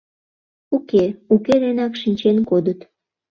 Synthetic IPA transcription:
ukeuked̪enɑkʃinʲt͡ɕenkod̪ət̪

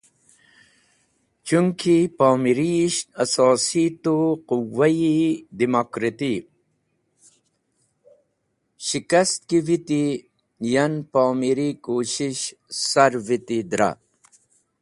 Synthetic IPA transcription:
t͡ʃuŋkʰipaːmiɾiʃɐsɔːsit̪oquwːɐid̪imokɾit̪i | ɕikɐst̪̚kiʋit̪i | jɐnpaːmiɾikoːɕiɕ | sɐɾvit̪id̪ɾa̰

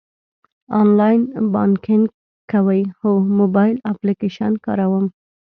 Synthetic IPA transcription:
ɑnlɑjnba̰nkɪŋ | kawəjxʊmobɑjlaplikeʃankɑ̰ɾawəm

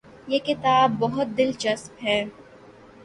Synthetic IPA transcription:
jeːkɪt̪aːbːɔɦʊt̪̚d̪ɪlt͡ʃɐspɦɛː

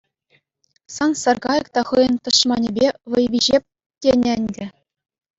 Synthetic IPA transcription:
sɑnsɑrɡɑjɤ̆kt̪ɑχɤjɤ̆nt̪ɤ̆ʂmɑnʲĕbʲeʋɤ̆jʋʲiʑep̚ʲ | tʲenʲɘ̆nʲdʲɘ̆

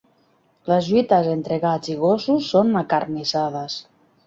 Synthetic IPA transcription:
ləzʎuit̪əzent̪ɾeɣad͡ziɣ̞osusːonakarnizað̞əs

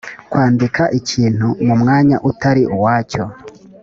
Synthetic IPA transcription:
kwaːndikʰaʔiciːn̥humumŋaːɲa̰ʔutaɾiʔuwaːco̞

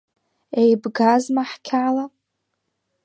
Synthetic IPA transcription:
ejbɡazmaħkʲʰala

